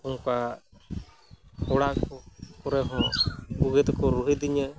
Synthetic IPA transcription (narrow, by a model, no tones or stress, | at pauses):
uŋka | hɔɽakɔkɔɾɛɦɔ̃buɡɛt̪kɔɾuɦid̪iɲə